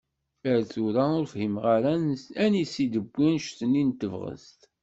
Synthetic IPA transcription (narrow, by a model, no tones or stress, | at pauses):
əɾθuɾaʊɾfhimʁaɾanænisid̪əbːinʃθənːint̪əvʁə̰st̪